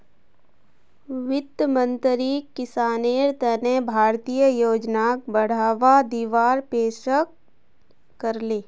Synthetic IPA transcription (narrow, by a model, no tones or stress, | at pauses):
ʋɪd̪əmə̃nt̪ɾiːkːɪsaːneːɾt̪ənẽbʱaːɾt̪ijəjoːd͡ʒnaːk̚bəɽ̤aːʋad̪iːʋaːɾpeːʃək | kəɾleː